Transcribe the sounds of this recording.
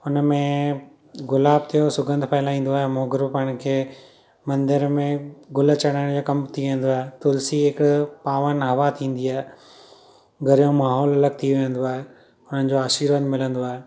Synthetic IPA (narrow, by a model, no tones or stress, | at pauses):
ʊnəmẽ | ɡʊlaːb̚t̪ʰijosʊɡə̃nd̪ʱpʰɛɪlaĩːn̆d̪oaːɦemoːɡɪɾopɐɪɽ̃kʰeː | mɐ̃nd̪ɪɾmẽɡʊlt͡ɕɐɽ̃aːɪ̃d͡ʑoːkɐmt̪ʰiʋẽːnd̪oaːɦet̪ʊlsiɦɪkpaːʋənɦɐʋat̪ʰĩːn̆d̪iaːɦe | ɡɐɾijõmaːɦɔːlɐləɡ̚t̪ʰiʋɪə̃n̆d̪oaːɦe | ʊn̤ənɪ̆d͡ʑoːaːʃiːɾʋənd̪mɪlə̃nd̪oaːɦeː